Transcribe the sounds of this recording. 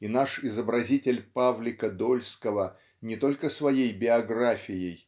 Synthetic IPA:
inaʂɪzəbɾɐzʲitʲɪlʲpavlʲɪkəd̪olʲskəvə | nʲɪt̪o̞lʲkəsvɐjejbʲɪɐɡrafʲɪjɪj

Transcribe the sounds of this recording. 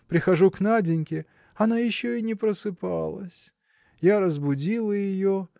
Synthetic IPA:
pɾʲɪxɐʐuknadʲɪnʲkʲɪ | ɐnajɪɕːoɪnʲɪpɾəsɨpa̰lˠə̰sʲ | jaɾəzbʊdʲilˠəjɪjo

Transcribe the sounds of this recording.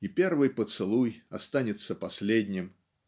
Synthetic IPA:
ipʲervɨjpət̪sɨlˠujɐst̪anʲɪt̪sːəpɐsʲlʲed̪ʲnʲɪm

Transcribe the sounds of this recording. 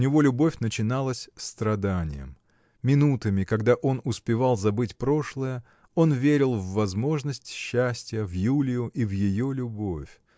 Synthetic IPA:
ʊnʲɪvo̞lʲʊbo̞fʲnət͡ɕɪnalˠəsʲst̪ɾɐd̪anʲɪ̰jə̰mːʲ | ɪnut̪əmʲɪkɐɡd̪aʔo̞nʊspʲɪvalˠzɐbɨtʲpɾo̞ʂlˠəjə | o̞nvʲeɾʲɪlˠvːɐzmo̞ʐnəsʲtʲɕːæsʲtʲɪjəvjulʲɪjʊʔivjɪjo̞lʲʊbo̞fʲ

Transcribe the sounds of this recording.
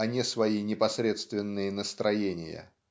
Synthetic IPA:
ɐnʲɪsvɐinʲɪpɐsɾʲe̞t̪st̪vʲɪnːɨjənəst̪ɾʔɐjenʲɪ̰jə̰

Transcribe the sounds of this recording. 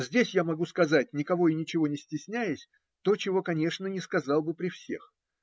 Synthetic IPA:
zʲdʲesʲjamɐɡuskɐzat̚ʲnʲɪkɐvo̞ɪnʲɪt͡ɕɪvo̞nʲɪsʲtʲɪsʲnʲæjɪsʲ | t̪o̞t͡ɕɪvo̞kɐnʲe̞ʂnənʲɪskɐzɑlˠbɨpɾʲɪfsʲe̞̰x

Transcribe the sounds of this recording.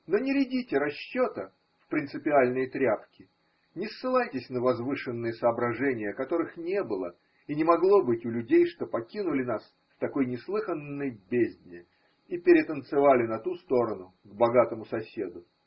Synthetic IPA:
no̞nʲɪɾʲɪdʲitʲɪɾɐɕːot̪ə | fpɾʲɪnt̪sɨpʲɪalʲnɨjt̪ɾʲapkʲɪ | nʲɪsːɨlˠajtʲɪsʲnəvɐzvɨʂɨnːɨjəsəːbɾɐʐɛnʲɪjəkɐt̪o̞ɾɨxnʲe̞bɨlˠə̰ | inʲɪmɐɡlˠo̞bɨtʲʊlʲʉdʲejʂt̪o̞pɐkʲinʊlʲɪnas | ft̪ɐko̞jnʲɪslˠɨxənːɨjbʲezʲdʲnʲɪ | ipʲɪɾʲɪt̪ənt̪sɨvalʲɪnɐt̪ust̪o̞ɾənʊ | ɡbɐɡat̪əmʊsɐsʲe̞d̪ʊ

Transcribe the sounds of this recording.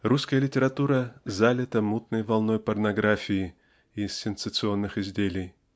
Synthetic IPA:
ruskəjəlʲɪtʲɪɾɐt̪uɾəzalʲɪt̪əmut̪nəjvɐlˠno̞jpərnɐɡɾafʲɪɪ | ɪssʲɪnsət̪sɨo̞nːɨxɪzʲdʲelʲɪj

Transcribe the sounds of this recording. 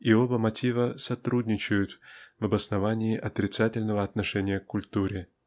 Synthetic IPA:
iobəmɐtʲivəsɐt̪ɾudʲnʲɪt͡ɕɪjʊt̪vɐbəsnɐvanʲɪːʔɐt̪ɾʲɪt̪satʲɪlʲnəvəɐt̪nɐʂɛnʲɪjəkkːʊlʲt̪uɾʲɪ

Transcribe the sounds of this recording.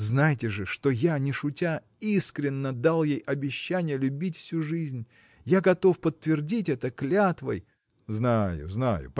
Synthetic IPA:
znajtʲɪʐɨʂt̪o̞janʲɪʂʊtʲa | iskɾʲɪnːəd̪alˠjejʔɐbʲɪɕːænʲɪjəlʲʊbʲitʲfsʲuʐɨzʲnʲ | jaɡɐt̪o̞fpət̪ːvʲɪrdʲitʲɛt̪əklʲat̪və̰j | znajʊ̰zna̰jʊ̰p

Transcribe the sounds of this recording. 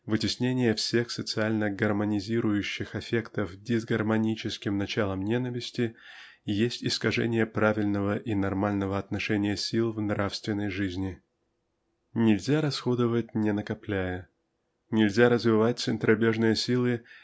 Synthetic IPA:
vɨtʲɪsʲnʲenʲɪjəfsʲe̞xsət̪sɨalʲnəɡərmənʲɪzʲiɾʊjʉɕːɪxɐfʲe̞kt̪əfdʲɪzɡərmɐnʲit͡ɕɪskʲɪmnɐt͡ɕalˠəmnʲe̞nəvʲɪsʲtʲɪ | jesʲtʲɪskɐʐɛ̰nʲɪjəpɾavʲɪlʲnəvəʔinɐrmalʲnəvəɐt̪nɐʂɛnʲɪjəsʲilˠvnɾafst̪vʲɪnːəjʐɨzʲnʲɪ | nʲɪlʲzʲaɾɐsxo̞d̪ɨvət̚ʲnʲɪnəkɐplʲæjə | nʲɪlʲzʲaɾəzvʲɪvat̚ʲt̪sɨnt̪ɾɐbʲeʐnɨjəsʲilˠɨ

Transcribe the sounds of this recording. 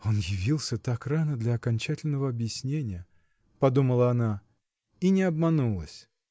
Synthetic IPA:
o̞njɪvʲilˠsʲət̪akranəd̪lʲɐɐkɐnʲt͡ɕætʲɪlʲnəvəɐbjɪsʲnʲenʲɪjə | pɐd̪uməlˠəɐna | inʲɪɐbmɐnulˠəsʲ

